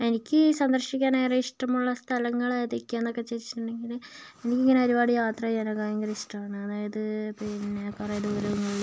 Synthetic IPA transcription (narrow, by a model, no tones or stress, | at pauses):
e̞nikʲːɨsɐnd̪ɐrɕikʲːaːnajrɐiʂʈɐmuɭːɐst̪ʰɐlɐŋːɐɭeðikʲːaːnːokːet͡ɕeɾit͡ɕːi̥ʈːuɳɖe̞ŋɡil | e̞nikʲːiŋːɐneɐɾubaːɽijaːt̪rɐɲɐnɐkaːjɐŋɡɐrɐiʂʈɐmaːɳɨɐðaːjɐðɨpinːekːrejɐd̪uːɾɐʋŋɡɐ